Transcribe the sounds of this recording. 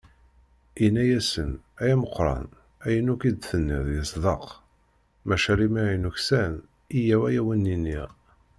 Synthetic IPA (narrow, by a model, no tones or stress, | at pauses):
inːæjæsənæjæməqːɾˤɑ̰n | æjənukid̪θənːiðjəsðˤɑq | mæʃæɾimijnuçsæn | ijæwæjæwənːiniʁ